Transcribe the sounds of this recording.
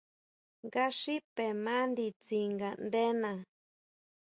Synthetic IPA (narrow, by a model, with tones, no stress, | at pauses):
ŋɡa˦ʂi˦pe˨mã˦nd̪i˧t͡si˧ŋɡa˨nd̪e˦nã˨